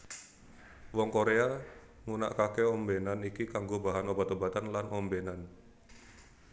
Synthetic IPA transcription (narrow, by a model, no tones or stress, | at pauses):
wɔŋkoɾea | ŋuna̰ʔkakeɔmbenanikikaŋɡobaɦanobat̪obat̪anlanɔmbenan